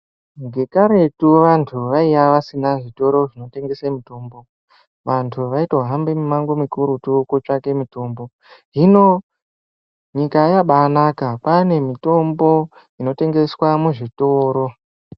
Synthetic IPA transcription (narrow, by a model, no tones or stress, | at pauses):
ŋɡe̞kaɾe̞tuʋantʰuʋaijaʋasinaʐito̞ɾo̞ʐino̞te̞ŋɡesamitoːmbo̞ | ʋantʰuʋaitwaɦambemumaŋɡomikuɾutukut͡ʂake̞mito̞ːmbo̞ | ɦino̞ | ɲikajaɓanakapane̞mito̞mbo̞ | ino̞te̞ŋɡe̞swamuʐitoːɾo̞